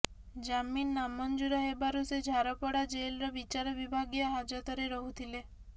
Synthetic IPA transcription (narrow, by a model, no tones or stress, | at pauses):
d͡ʒaminːamɔnd͡ʒuɾaɦebaɾused͡ʒʱaɾɔpɔɽad͡ʒelɾɔbit͡ʃaɾɔbibʱaɡjɔɦad͡ʒɔt̪ɔɾeɾɔɦut̪ʰile